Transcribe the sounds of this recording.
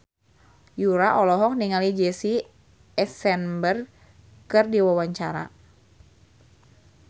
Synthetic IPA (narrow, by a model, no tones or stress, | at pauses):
juɾaʔɔlɔɦɔk̚niŋalid͡ʒɛsi | ɛsɛnbər | kɨrdiwawaɲt͡ʃaɾa̰